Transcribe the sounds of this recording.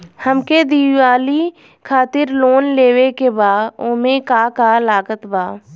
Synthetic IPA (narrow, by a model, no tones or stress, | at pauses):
həmked̪iːwaːli | kʰaːt̪ɪɾloːnleːwekebaːoːmẽkakalaːkət̪baː